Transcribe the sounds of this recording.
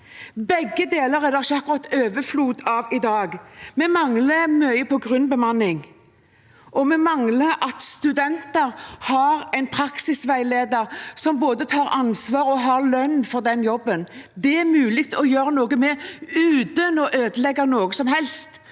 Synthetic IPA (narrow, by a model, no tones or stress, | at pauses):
bɛɡːəd̪eːləɾɛd̪æʃɑkːʊɾɑt̪ːøːʋəfluːd̪ɑʋɪd̪ɑːɡmɛmɑŋləmœʏəpʰɔɡɾʉnbəmɑnɪŋ | ʔɔmɛmɑŋləʔɑt̪st̪ʉd̪ɛnt̪əɾhɑɾɛɪnpʰɾɑksɪsʋæɪleːd̪əɾsɔmboːd̪ət̪ʰɑːɾɑnsʋɑːɾɔɦɑɾlœnːfɔɾd̪ɛnjɔbːənd̪ɛæɾmʉːlɪɡt̪ʰɔjøːɾənoːɡəmɛʉːd̪ənɔʔøːd̪əlɛɡːənoːɡəsɔmɦɛlst̪